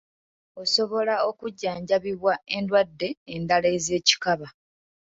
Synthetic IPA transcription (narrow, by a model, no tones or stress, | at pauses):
o̞so̞βo̞lao̞kuɟːaːɲɟaβiβwae̞ndwadːe̞ːndaleze̞ːci̥kaβa